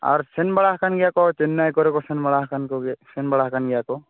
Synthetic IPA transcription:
a̰ɾsɛnbaɭaɦkʰanɡɛjakɔt͡ʃenːajkɔɾɛkɔsɛnbaɭaɦkankɔɡsɛnbaɽakanɡɛjakɔ

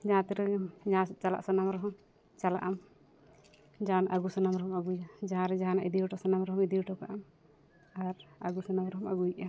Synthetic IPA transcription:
d͡ʒaãt̪iɾɛd͡ʒat͡ʃala̰ʔsɔnamɾɔɦɔm | t͡ʃala̰ʔam | d͡ʒanʔaɡusɔnamɾɔɦɔmaɡujad͡ʒaɦãɾɛd͡ʒaɦanaʔid̪iuʈɔsɔnamɾɔɦɔmid̪iʈɔkaʔam | aɾa̰ɡusɔnamɾɔɦɔmaɡuja

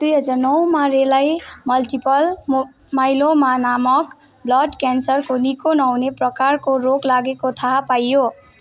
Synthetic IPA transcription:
d̪̥ujɦʌd͡zarnʌwmaɾelajmʌlʈipʌl | majlomanamʌk | blʌʈkansʌrkonikonawneprʌkarkoɾoklaɡekot̪ʰaɦpajːo

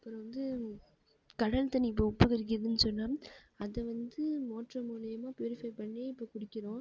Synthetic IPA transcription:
ɐpːɯɾ̃ʋɐnd̪ɯ | kɐɽɐlt̪ɐnːiɪp̬ːoʊpːɐɣɪɾɪk̬ːɪɾɐðɯnːɯsɔnːaː | ɐðɐʋɐnd̪ɯmoːʈrɐmuːlɐjɐmaːpjuːɾɪfɐɪpɐɳːeːɪpːoːkʊɽɪkːɪɾõː

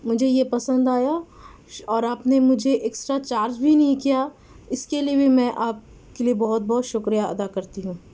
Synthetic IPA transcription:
mʊd͡ʒʱejepɐsə̃nd̪aːja | ɔːɾaːpnemʊd͡ʒʱeʔeːksʈɾat͡ʃaːɾd͡ʒbʱinɐɦĩkija | ɪskeliebʱiemɛ̃ʔaːp̚ | keliebɔɦʊt̪̚bɔɦt̪ʃʊkɾijaɐ̰d̪akɐɾt̪iɦũː

